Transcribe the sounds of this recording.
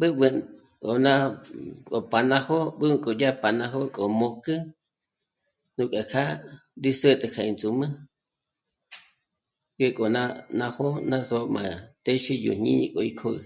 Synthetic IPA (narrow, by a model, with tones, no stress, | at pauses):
ɓɨ˦ɓɨ˧ | kʼo˨nã˦kʼo˨pa˨nã˧ho˦ɓɨ˦ɨ˧kʼo˨ja˦pa˨nã˧ɦo˦kʼo˨mõ˧kɨ˦ | nũ˧kʼa˨kʰa˦d̪i˦sə˦t̪ʼɨ˧kʰa˧˨i˨nt͡su˨mɨ̃˦ | ɡe˦kʼo˨na˦nã˧ho˦nã˦zo˧˦mã̰˨t̪e˦ʃi˦jṵ˨ɲ̥ɲḭ̃˦ɲḭ̃˧kʼo˨i˧kʰo˦ɨ̰˧